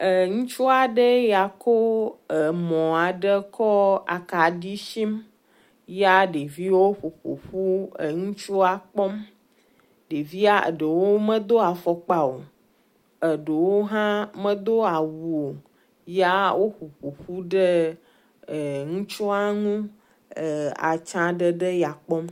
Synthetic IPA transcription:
ə˨ŋũ˦t͡ʃu˦a˨ɖə˦ja˨kʰo˦ə˨mɔ̃˨a˨ɖə˦kʰɔ˦a̰˨ka˨ɖi˦ʃi˦m | ja˦ɖe˨vi˦wo˦ɸo˨ɸo̰˨ɸu˦ə˨ŋũ˦t͡ʃu˦a˨k͡pɔ˦m | ɖe˨vi˦a˦ə̰˨ɖə˨wo˦mə̃˦d̪o˦a˨fɔ˨k͡pa˨o˨ | ə˨ɖə˨wo˦ɦã˦mə̃˦d̪o˦a˨wu˨o˨ | ja˦wo˦ɸu˨ɸo˨ɸu˦ɖə˦˨ | ŋũ˦t͡ʃu˦a˦ŋũ˦ | ə˨a̰˨t͡ʃã˦ɖə˦ɖə˦ja˨k͡pɔ˦m

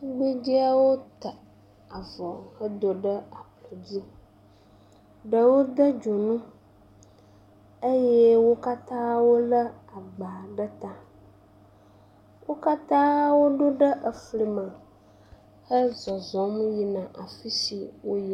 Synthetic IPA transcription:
ɡ͡bi˦d͡ʒi˦a˦wo˦t̪a˨ | a˨vɔ˨hə˦d̪o˨ɖə˦a˨plɔ˨d͡ʑi˦ | ɖə˨wo˦d̪ə˦d͡ʒo˨nũ˦ | ə˦je˦wo˦ka˦t̪ã˦wo˦lə˦a˨ɡ͡ba˨ɖə˦t̪a˨ | wo˦ka˦t̪ã˦wo˦ɖo˦ɖə˦ʔə˨fli˨mã˨ | hə˦zɔ˨zɔ˨˦mji˨nã˨ʔa˨fi˦sḭ˨wo˦ji˦˨

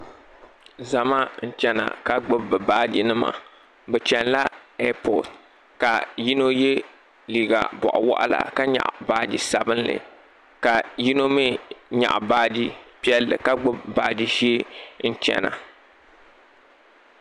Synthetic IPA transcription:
za˨ma˦n̩˦˨t͡ʃɛ˦na̰˨ka˦ɡ͡bʊ˦bbɨ˨baː˦di˦nɨ˦ma̰˨ | bɛ˨t͡ʃɛ˨nla˦ɛ˦pɔ˨d | ka˨ji˦no˦je˦ | liː˨ɡa̰˨bɔ̰˨ʔʊ˨wa̰˦ʔa˦la̰˨ka˦ɲa̰˨ʔbaː˨˦di˨sa˨bɨ˦nlɨ̰˨ | ka˨ji˦no˦me˦ɲa̰˨ʔbaː˦di˦pi˦ɛ˦lːɨ̰˨ka˦ɡ͡bʊ˦bbaː˨˦di˦ʒeː˦n̩˦t͡ʃɛ̰˨na̰˨

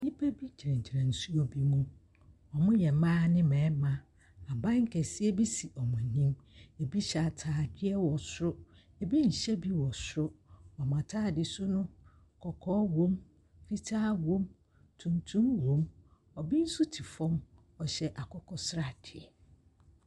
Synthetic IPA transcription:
ɲĩ˦pʰa˦bi˦t͡ɕʰi˨ɾɛ̃˨ɲ˨t͡ɕʰi˨ɾã˨n̩˨su˦o˦bi˦mũ˦ | ɔ˨mʊ̃˦jɛ˨˦mãː˦nɪ̃˦mɛ̃ː˨˦mã˨ | a˨bã˦ŋ̩˦kʰɛ˨sɪ˦ɛ˦bi˦si˨ʔɔ˨mã˨nĩ˦me˨bi˦ɕa˨tʰaː˨dɪ˦ɛ˦wɔ˨sɾʊ˦ | e˨bi˦ɲ̩˨ɕɛ˦bi˦wɔ˨sʊ˦ɾʊ˦ɔ˨mã˨tʰaː˦dɪ˨sʊ˦nʊ̃˦ | kʰɔ˨kʰɔ˦wõ˦m | fi˦tʰaː˦wõ˦m | tʰũ˨ntʰũ˦mwõ˨˦m | ɔ˨bi˦n̩˦sʊ˦tʰi˨fɔ̃˦m | ɔ˨ɕɛ˨ʔa˨kʰɔ˦kʰɔ˦sɾa˨d̥ɪ˨ɛ˨

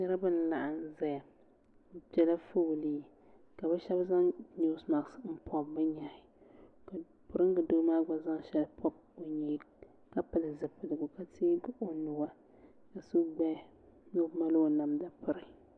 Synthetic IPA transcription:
nɛ˦ɾa˦bɨ˦n˦la˨ʔa˨n˦zɛ˦ja˨˦ | pɛ˨la˦fu˦˨liː˨ | ka˨bɛ˦ʃɛ˦bza˦ŋɲu˦sma˨ɡsm̩˦pʰɔ˨bːɨ˦ɲa˨ɪ˨ | ka˨ | pʊ˨ɾɨ˦ŋ˦ɡɨ˨do˦maː˦ɡ͡ba˦za˦ŋ˦ʃɛ˦lpʰɔ˦b̚ | o˨ɲi˨˦ | ka˦pɨ˨lɨ˨zɨ˨pɨ˨lɨ˨ɡʊ˨ka˦tɪː˦ɡʊ˦ʔo˦nu˨wa˦ | ka˨su˦ɡ͡bɛ˦ | no˦ma˦lo˦na˨mda˨pɨ˦˨ɾɨ˨

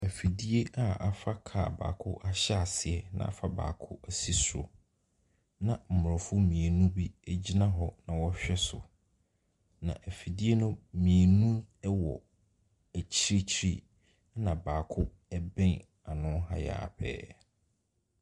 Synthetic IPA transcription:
æ˨fi˨di˦e˦ʔa˨a˨fa˦kʰa˦˨ba̰ː˨kʰʊ˦ʔa˦ɕɛ˦a˨sɪ˨ɛ˨nã̰˨ʔa˨fa˦ba̰ː˨kʰʊ˦ʔæ˨si˦sɾo̰˨ | nã˨m̩˨mʊ˨ɔ˨fʊ˦mĩ˨e˨nũ˦bi˦æ˦˨d͡ʑi˦nã˦ɦɔ˦nã˨wɔ˦ɕᶣɛ˦sʊ̰˨ | nã̰˨ʔæ˨fi˨di˦e˦nʊ̃˦mĩ˨e˨nũ˦ɛ˦wɔ̰˨ | æ˨t͡ɕʰi˦ɾi˦t͡ɕʰi˦ɾḭ˦ | nã˨baː˨kʰʊ˦ | ɛ˦bɛ̃˦n | a˨nʊ̃˦ɦa̰˦ja̰ː˨pʰɛ̰ː˦

